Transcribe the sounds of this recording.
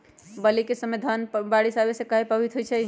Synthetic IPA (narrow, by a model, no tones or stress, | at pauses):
bəlikesəmed̪ʱənbaɽisabesẽkəɦepəbit̪ʰɦojt͡ʃʰɛ